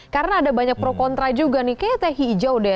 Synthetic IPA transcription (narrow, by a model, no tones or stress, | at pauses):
kaɾənaːdabaɲak̚pɾokɔnt̪ɾad͡ʒuɡanɪhkajat̪aɦiːd͡ʒauda